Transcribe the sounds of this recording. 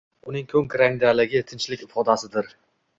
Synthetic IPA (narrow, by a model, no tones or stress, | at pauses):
ʊnɪŋkʲʰɵŋkʲɾaŋd̪alɪɡʲɪt̪ʰɪnt͡ʃlɪkʲɪfɒd̪asɪd̪ɪɾ